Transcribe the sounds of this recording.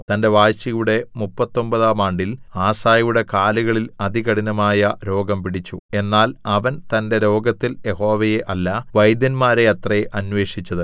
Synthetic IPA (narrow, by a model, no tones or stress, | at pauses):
t̪ɐnde̞ʋaːjɕɐjuɽe̞mupːɐt̪ːo̞mbɐðaːmaːɳɖilaːsaːjuɽe̞kaːluɣɐɭilɐd̪iɣɐɽinɐmaːjɐɾo̞ːɡɐmpiɽit͡ɕːue̞nːaːlɐʋɐnt̪ɐnde̞ɾo̞ːɡɐt̪ːilje̞ho̞ːʋɐjeʔɐlːɐʋɐjd̪ɐnmaːɾe̞ɐt̪rɐʔɐnʋe̞ːʂit͡ɕːɐðɨ